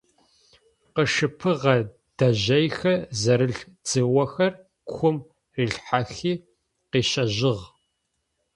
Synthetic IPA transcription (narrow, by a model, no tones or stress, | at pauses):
qəʃɨpʰɨʁɐ | d̥ɐʑɐjxɐzɐɾɨɬd͡zɨwɐxɐr | kʷʰʊm | riːɬħaxiː | qiːɕɐʑɪʁ